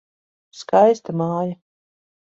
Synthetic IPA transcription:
skajst̪amaːja

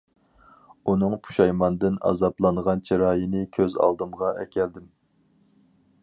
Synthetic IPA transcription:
unɨŋpʰu̥ʃɑjmɑnd̪ɨnɑ̰zɑplˠɑnʁɑnt͡ʃʰiɾɑːjinɨkʲʰøzɑ̰lˠd̪ɨmʁɑʔɛ̰kʲʰɛld̪ɪm

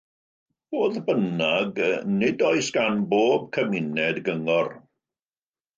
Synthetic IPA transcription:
b̥oːðbənaɡnɪdɔjsɡ̥anboːb̚kʰəmɪnɛdɡəŋɔr

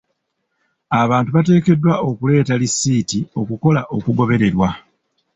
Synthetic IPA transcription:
aβaːntuβate̞ːke̞dːwao̞kule̞ːtalisːiːtio̞kuko̞laʔo̞kuɡo̞βe̞ɾe̞ɾwa

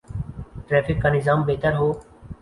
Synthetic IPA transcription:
ʈɾɛːfʰɪkːaːnɪzaːmbeːt̪əɾɦoː

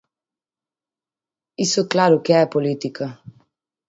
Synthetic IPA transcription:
isuklaɾukjɛɛpɔlit̪ikʰa

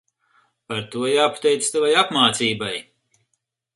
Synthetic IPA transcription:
paɾt̪uɔjaːpḁt̪ɛjt̪sst̪avajapmaːt̪siːbaj

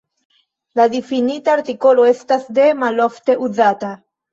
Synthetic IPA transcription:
lad̪ifinitaːɾt̪iko̞lo̞e̞stasde̞malo̞fte̞ʔuzata

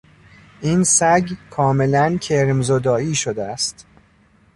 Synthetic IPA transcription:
ʔinsæɡkʰɒːme̞læncʰeɾmzod̪ɒːiːʃod̪eæst̪

